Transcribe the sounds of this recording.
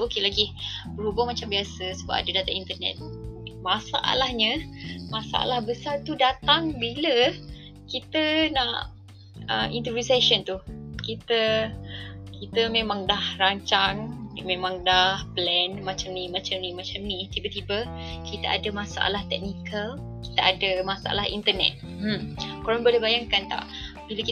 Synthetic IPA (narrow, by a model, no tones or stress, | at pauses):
okelaɡibəɾubamat͡ʃambiasəsəba̰p̚a̰dədat̪aʔint̪ərnɛ̰t̪̚masaʔa̰lahɲəmasa̰ʔa̰lahbəsart̪udat̪aŋbilə | kit̪ənaʔ | əmḭnt̪əbisaʃənt̪ukit̪ə | kit̪əmẽmãŋdahraɲt͡ʃaŋmemãŋdahplɛnmat͡ʃamnimat͡ʃamnimat͡ʃamnit̪ibət̪ibə | kit̪əʔa̰dəmasaʔa̰laht̪ɛk̚nikəl | ki̥t̪əʔadəmasaʔa̰laɦḭnt̪ənɛ̰t̪̚ | koɾɔnbolebajaŋkant̪a̰ʔ | b̥iləki